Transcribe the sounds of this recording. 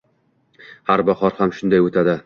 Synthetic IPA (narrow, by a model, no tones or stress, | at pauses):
haɾbaχɒɾhamʃʊnd̪ajot̪ʰad̪ɪ